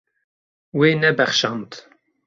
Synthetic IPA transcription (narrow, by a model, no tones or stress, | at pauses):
weːnɛbɛχʃɑnt̪